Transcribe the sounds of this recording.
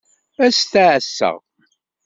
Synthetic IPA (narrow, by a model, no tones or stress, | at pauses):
æst̪aʕəsːə̰ʁ